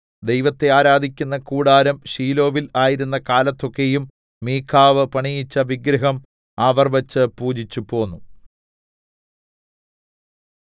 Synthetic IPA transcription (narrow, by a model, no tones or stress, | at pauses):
d̪e̞jʋɐt̪ːe̞aːɾaːd̪ʱikʲːunːɐkuːɽaːɾɐmɕiːlo̞ːʋilaːjiɾunːɐkaːlɐt̪ːo̞kːe̞jumː | iːkʰaːʋɨpɐɳijit͡ɕːɐʋiɡɾɐɦɐm | aːʋɐrʋɐt͡ɕːɨpuːd͡ʑit͡ɕːupo̞ːnːu